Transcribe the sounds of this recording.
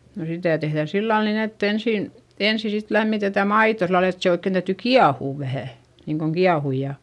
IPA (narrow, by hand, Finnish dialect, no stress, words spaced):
no sitæˑ tehðæ silːɑl nin etː ensiˑn ensi sit læmːitetæ mɑito silːɑl et se oikːen tæyty kiɑhuˑʋ ʋæhæˑ niːŋkoŋ kiɑhuj jɑ